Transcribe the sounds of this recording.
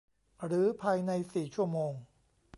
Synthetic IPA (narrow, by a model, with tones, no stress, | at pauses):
ɾɯː˩˦pʰaː˧jna˧jsiː˨˩t͡ɕʰu˥˩ɐmoː˧ŋ